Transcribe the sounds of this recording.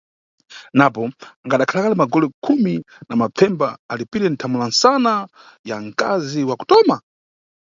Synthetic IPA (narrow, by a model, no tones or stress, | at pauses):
napɔŋɡaɗakʰalakalimaɡɔlɛkʰumi | namab͡vʰɛmbaalipiɾɛn̩tʰamulansana | jaŋka̰ziwaku̥tɔma